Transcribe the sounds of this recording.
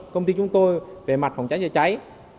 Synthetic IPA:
kə˧wŋ͡mt̪i˧t͡ɕʊ˨˦ŋ͡mt̪o˧jve˨˩ma˨˩t̚fa˨˩wŋ͡mt͡ɕa˨˦jə˧˩t͡ɕa˨˦j

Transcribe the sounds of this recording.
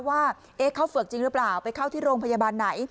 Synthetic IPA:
waː˥˩ | ʔeː˦˥kʰa˦˥˩wfɯ˨˩ək̚t͡ɕi˧ŋɾɯ˦˥plaː˨˩wpa˧jkʰa˥˩wt̪ʰiː˥˩ɾoː˧ŋpʰa˧jaː˧baː˧nːa˩˦j

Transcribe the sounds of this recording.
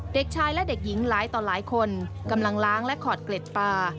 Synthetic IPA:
de˨˩k̚t͡ɕʰaː˧jlɛ˦˥de˨˩k̚ji˩˦ŋlaː˩˦jt̪ɔː˨˩laː˩˦jkʰo˧n | ka˧mla˧ŋlaː˦˥ŋlɛ˦˥ʔkʰɔː˨˩t̪̚kle˨˩t̪̚paː˧

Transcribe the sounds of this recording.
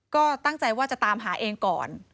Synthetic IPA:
kɔː˥˩t̪a˥˩ŋt͡ɕa˧jwaː˥˩t͡ɕa˨˩t̪aː˧mɦaː˩˦ʔeː˧ŋkɔ̰ː˨˩n

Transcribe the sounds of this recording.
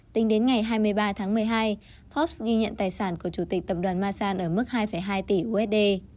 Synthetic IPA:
t̪ï˨˦ŋ̟ɗe˨˦nŋa˨˩jɦaː˧jmɨ˧əjɓaː˧t̪ʰaː˨˦ŋmɨ˨˩əjɦaː˧j | fɔ˦˥p̚sɣi˧ɲə̰˧˨nt̪aː˨˩jsaː˧˩nku˧˩ət͡ɕu˧˩t̪ï˨˩k̚t̪ə˨˩p̚ɗwaː˨˩nmaː˧saː˧nʔəː˧˩mɨ˦˥k̚haː˧jfə˧˩jɦaː˧jt̪i˧˩ʔu˧ʔɛ˦˥t̚ɗe˧

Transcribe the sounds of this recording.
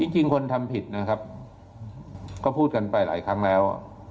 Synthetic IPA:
t͡ɕi˧ŋt͡ɕi˧ŋkʰo˧nt̪ʰa˧mpʰi˨˩t̪̚na˦˥kʰa˦˥p̚ | kɔː˥˩pʰuː˥˩t̪̚ka˧npa˧jla̰ː˩˦jkʰa˦˥ŋlɛː˦˥w

